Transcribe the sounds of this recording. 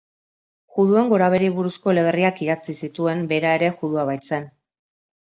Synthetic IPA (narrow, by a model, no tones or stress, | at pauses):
ʝuðue̞ŋɡo̞ɾaβ̞e̞ɾiβuɾusko̞le̞βeriakiɣat͡sisit̪ue̞mbe̞ɾae̞ɾe̞xuðuaβ̞ajt͡se̞n